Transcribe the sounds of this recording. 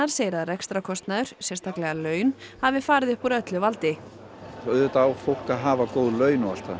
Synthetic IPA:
aɾ̥seːjɾaðrɛkst̪ɾakʰɔst̪naðʏɾ̥sɛst̪ʰaklɛɣalœːɥnhavɪfaːɾɪðɪhpɔɾœt̪lɪvalt̪ɪ | ɔðʏt̪awfowl̥kaðɦaːvakowðlœːɥnɔal̥t̪a

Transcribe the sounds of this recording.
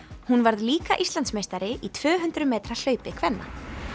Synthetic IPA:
hunvaɾðliːkaʔist̪lant̪smejst̪aɾɪʔit̪ʰvœːɦʏnt̪ɾʏmɛːt̪ɾal̥œːɥpɪkʰvɛnːa̰

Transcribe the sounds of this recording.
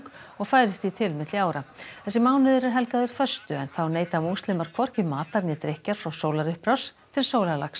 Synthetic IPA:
kɔɣfaːjɾɪst̪it̪ʰɪlmɪt̪lɪaːwɾaθɛsɪmaːwnʏðʏɾɛɾ̥ɦɛlkaðʏɾ̥fœst̪ʏɛnθawneːjt̪amuwst̪lɪmaɾ̥kʰvɔr̥cɪmaːt̪aɾnɪt̪ɾehcaɾ̥fɾawsoːwlaɾʏhpɾawst̪ʰɪlsoːwlalaks

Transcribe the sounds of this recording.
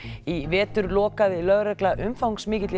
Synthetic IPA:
ivɛːt̪ʏɾlɔːkaðɪlœɣɾɛklaʔʏmfawŋksmɪːcɪt̪lɪ

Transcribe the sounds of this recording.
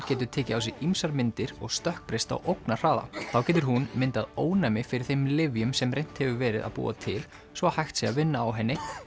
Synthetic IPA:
cɛːt̪ʏɾt̪ʰɛːcɪawsɪimsaɾmɪnt̪ɪɾɔɣst̪œhk̚pɾest̪a̰wʔowknar̥aːða̰θawcɛːt̪ʏɾ̥ɦunmɪnt̪aðoːwnamɪfɪɾɪɾ̥θejmlɪvjʏmsɛmrejn̥t̪hɛvʏvɛːɾɪða̰ðpṵːa̰t̪ʰɪl | svɔhajxt̪sɛavɪnːaːwɦɛnːɪ

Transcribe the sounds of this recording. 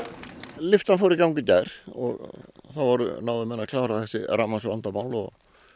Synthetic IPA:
lɪft̪anfowɾikawŋkʏcaɾ̥ɔ̰ɣθavɔɾ̰nawvɪmɛnːakʰlaːwɾaθɛsːɪramːansʏvant̪amaːwlɔ̰ɣ

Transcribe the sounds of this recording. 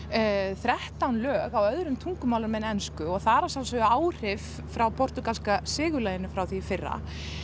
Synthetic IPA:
θɾɛht̪awnlœːɣawœðɾʏmt̪ʰuŋkʏmawlaɾmɛnɛnskʏɔɣθaɾasamsœɣʏaːwr̥ɪf | fɾawpʰɔr̥t̪ʏkalskasɪːɣʏlajɪnʏfɾawθifɪrːa̰

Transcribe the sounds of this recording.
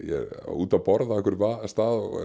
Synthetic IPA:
jɛ̰ɾuːt̪awpɔɾðaɛhkvʏɾvast̪aːðɔ̰

